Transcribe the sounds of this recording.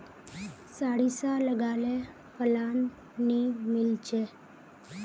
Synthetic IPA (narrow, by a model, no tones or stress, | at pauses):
saɽisaləɡale | pəlanː | imilt͡ɕe